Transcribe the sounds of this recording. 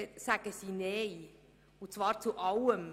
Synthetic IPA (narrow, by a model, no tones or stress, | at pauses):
sæɡ̥əsiːnej | ʊt͡svɑːɾt͡suʔɑwəm